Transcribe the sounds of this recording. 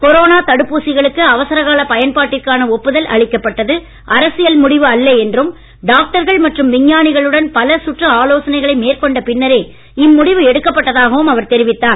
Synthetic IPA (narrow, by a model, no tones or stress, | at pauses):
kɔɾoːnaːt̪ɐɽɯpːuːsɪɣɐɭɯkːɯɐʋɐsɐɾɐɣaːlɐpɐjɐnpaːʈːɪrkaːnɐɔpːɯðɐlʔɐ̰ɭɪkːɐpːɐʈːɐðɯ | ʔɐɾɐsɪjɐlmʊɽɪʋɯɐlːɐɛndrɯm | ɖaːk̚ʈɐɾɣɐɭmɐʈrɯmʋɪɲːaːnɪɣɐɭɯɽɐnpɐlɐsʊʈrɐaːloːsɐnɐɪɣɐɭɐɪmeːrkɔɳɖɐpɪnːɐɾeː | ɪmːʊɽɪʋɯɛɽɯkːɐpːɐʈːɐðaːɣɐʋɯmɐʋɐɾt̪ɛɾɪʋɪt̪ːaːn